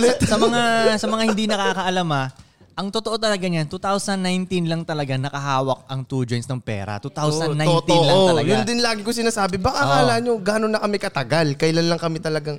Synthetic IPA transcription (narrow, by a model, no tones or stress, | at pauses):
lɛt̪sɐmɐŋasɐmɐŋahɪ̃nd̪inɐkaːkɐʔɐlamɐ | ʔɐŋt̪ot̪oot̪ɐlɐɡaɲant̪ut̪awsɐnːajnt̪inlɐŋt̪ɐlɐɡanɐkɐɦaːwɐk̚ʔɐŋt̪uːd͡ʒojnsnɐŋpɛ̰ːɾɐ̰t̪uːt̪awsɐnːajont̪ĩʔlɐoŋɐlɐɡjʊand̪ɪnlaːɡɪkosɪnaːsaːbɪbɐkakaːlaɲoɡaːnonːɐkɐmɛkɐt̪ɐɡalkɐʔɪlanlɐŋkɐmɪt̪ɐlɐɡaŋ